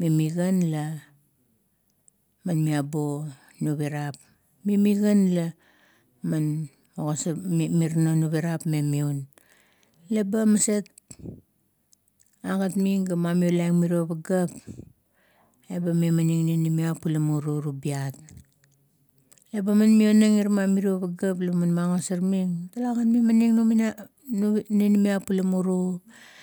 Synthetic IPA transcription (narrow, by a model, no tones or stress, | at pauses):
mimiɡanla | manmiabo | nuβiɾap | mimiɡanla | man | moɣosmiɾnonuβiɾapmemiun | lebamaset̚ | aɡatmiŋɡamamiolajŋmiɾioβaɡap | ebamiomaniŋninimiapːulamuɾuɾubiat̚ | lebamanmionaŋiɾmamiɾioβaɡaplebmanmaŋosaɾmiŋtalaɡatmimaniŋnumina | nnenimiapːulamuɾu